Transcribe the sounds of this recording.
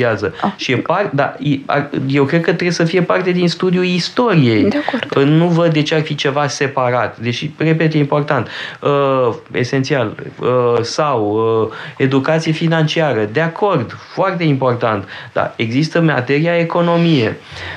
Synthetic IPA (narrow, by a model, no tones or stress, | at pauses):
iazəʃijepard̪a̰jea̰je̞wkɾekət̪ɾesəfije̞part̪e̞d̪inst̪ud̪iuist̪o̞ɾije̞jd̪eakoənuvəd̪ːe̞t͡ʃearfit͡ʃe̞vase̞paɾat̪d̪eʃire̞p̬e̞t̪jeimpo̞rt̪ant̪əe̞̰sent̪sialəsawəe̞d̪ukat̪sijefinant͡ʃiaɾəd̪eakʰo̞rd̪foart̪e̞impo̞rt̪ant̪d̪a̰e̞ɡzist̪əma̰t̪e̞ɾiae̞ko̞no̞mije̞